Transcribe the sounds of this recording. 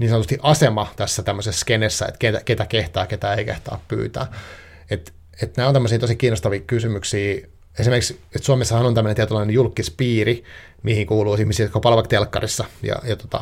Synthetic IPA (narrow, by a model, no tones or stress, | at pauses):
niːsɑnot̪ust̪iʔɑsemɑt̪æsːæt̪æmːøsesːkenesːæ̰ḛt̪ket̪æket̪ækeht̪ɑːket̪æːeikḛht̪ɑ̰ːppy̰ːt̪æ̰ː | et̪ | et̪næːonæmːøsiːt̪osikiːnːost̪ɑʋiːkysymyksiː | esimerkikset̪suɑmesːɑhɑnonæmːønent̪iet̪ulɑinejulkːispiːri | mihiŋkuːluːsihmisiːkopɑlʋɑkt̪elkːɑ̰risːɑjɑ̰jɑt̪o̥t̪ɑ̰